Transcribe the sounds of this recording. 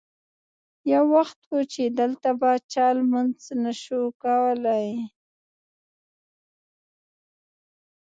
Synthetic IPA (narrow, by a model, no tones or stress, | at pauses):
jawːaxt̪wot͡ʃed̪əlt̪abat͡ʃɑlmanznaʃokawəlaj